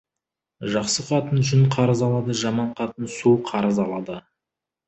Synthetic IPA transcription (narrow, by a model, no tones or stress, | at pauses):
ʒɑqsəqʰɑt̪ənʒʏnqʰɑɾəzɑlˠɑd̪əʒɑmɑɴqʰɑt̪ənsuqʰɑɾəzɑlˠɑd̪ə